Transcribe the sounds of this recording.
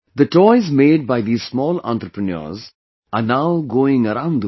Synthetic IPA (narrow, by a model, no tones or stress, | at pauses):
d̪əʈɔɪzmeːɖ̚baɪd̪iːzsmɔːlã̰nʈ̪ɾəpɾənə̰ːɾz | anaʊɡoːɪ̃ŋəɾãʊ̃nɖd̪ə